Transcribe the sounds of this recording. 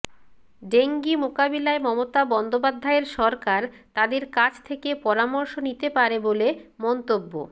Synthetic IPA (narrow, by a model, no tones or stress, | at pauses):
ɖeŋɡimokabilaemɔmot̪abɔnd̪op̬ad̪ʱːaeɾʃɔɾkaɾ | t̪ad̪eɾkad͡ʑt̪ʰekepɔɾamɔɾʃonit̪epaɾebolemɔnt̪obːo̰